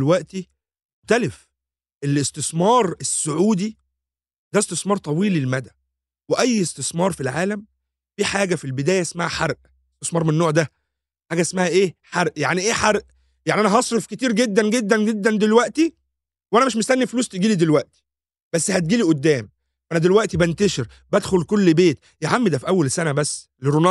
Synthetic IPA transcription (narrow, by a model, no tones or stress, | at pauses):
lwæʔt̪i | oxt̪ælef | ʔelest̪esmɑːɾˤesːoʕuːd̪i | d̪æest̪esmɑːɾˤt̪ˤɑwiːlelmæd̪æ | weʔæjːest̪esmɑːɾˤfilʕaːlæm | fiːħaːɡæfilbed̪æːjæʔesmahæħɑɾˤʔ | est̪esmɑːɾˤmenːoːʕd̪æ | ħaːɡæʔesmahæʔeːħɑɾˤʔjaʕniʔeːħɑɾˤʔ | jaʕniʔænæɦɑsˤɾefket̪iːɾɡed̪ːænɡed̪ːænɡed̪ːænd̪elwæʔt̪i | wʔænæmeʃ̬mest̪ænːifluːst̪eɡiːlid̪elwæʔt̪i̥ | b̥æsːhæt̪̚ɡiːliʔod̪ːæːm | wʔænæd̪elwæʔt̪ibænt̪æʃeɾ | bæd̪xolkolːbeːt̪ | jeʕamːed̪æfiʔæwːælsænæbæsː | leɾonɑ